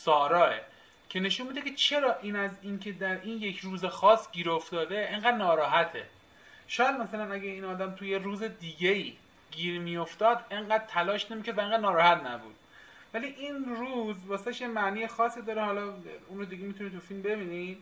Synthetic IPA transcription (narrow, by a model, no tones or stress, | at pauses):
sɒːɾɒːe | cʰe̞ne̞ʃunmiːd̪ekʰet͡ʃʰe̞ɾɒːʔiːnæziːncʰe̞d̪æɾiːnje̞kʰruːzexɒːsɟʲiːɾoft̪ɒːd̪eeɴɢæːd̪nɒːɾɒːɦæt̪ʰe | ʃɒːjæd̪mæsælænæɡæiːnɒːd̪æmt̪ʰujeɾuːzed̪iːɡeiː | ɡiːɾmijo̞ft̪ɒːd̪e̞ŋɢæːd̪̚t̪ʰælɒːʃnemikʰæɾd̪væeŋɡæːd̪nɒːɾɒːhæt̪næbṵːd̪̥ | væliʔiːnɾuːzbɒːseeʃjemæniːjexɒːsiːd̪ɒːɾehɒːlɒːunɾod̪iɡemit̪ʰunit̪ʰufilmbe̞biːni